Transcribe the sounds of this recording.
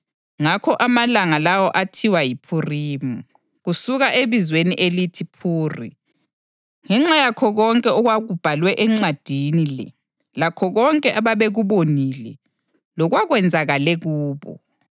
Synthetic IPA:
ŋakʰɔʔamalaŋalawɔʔatʰiwajipʰuriːmu | ɣusuɣaʔeβizweniʔelitʰipʰuːrḭ | ŋɛŋ͡ǁajakʰɔɣɔŋkʼɛɔɣwaɣub̥ʱalwɛʔɛŋ͡ǀad̥ʱinilɛ | lakʰɔɣɔŋkʼɛʔaβaβeɣuβonilɛ | lɔɣwaɣwɛnd͡zʱaɣalɛɣuːβɔ̰

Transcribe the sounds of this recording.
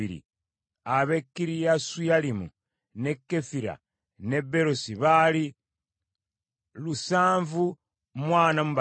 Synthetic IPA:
iɾḭ | aβe̞kːiɾijasujalimu | ne̞kːe̞fiɾa̰ | ne̞be̞ɾosiβali | lusaːɱvu | mwaːnamuβa

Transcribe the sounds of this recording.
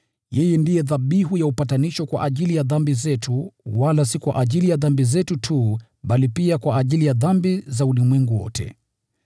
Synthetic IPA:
jɛjɛndijɛðaɓiɦujaupataniʃɔkwa̰ʔaʄilijaðambizɛtʰuwalasikwa̰ʔaʄilijaðambizɛtutʰu | ɓalipiakwaːʄilijaðambizaulimwɛŋɡuwɔ̰tʰɛ̰

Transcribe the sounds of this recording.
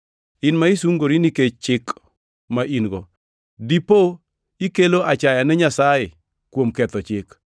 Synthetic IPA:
ɪnmaisuŋɡoɾiniket͡ʃt͡ʃɪk | maʔinɡɔ | dipo | ikeloʔat͡ʃajanɛɲasajɪ | kwomkɛt̪ɔt͡ʃɪk

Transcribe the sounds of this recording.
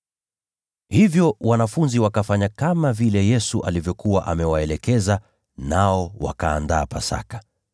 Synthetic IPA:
hivjɔwanafunziwakafaɲakamavilɛjɛsuʔa̰livjɔkuwaʔamɛwaɛlɛkɛza | naɔwakaːndaːpasa̰kḁ

